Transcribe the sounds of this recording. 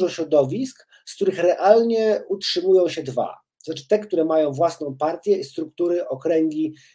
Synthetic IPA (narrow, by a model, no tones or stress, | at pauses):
ʐɔɕɾɔd̪ɔvʲisk | skt̪uɾɘxɾɛʔalɲɛutʂɘmujɔ̃w̃ɕɛd̪va̰t̪ɔzat͡ʂɘ̥t̪ɛkt̪uɾɛmajɔ̃w̃vwasn̪ɔ̃w̃paɾt̪ʲjɛist̪ɾuk̚t̪uɾɘʔɔkɾɛŋɡʲi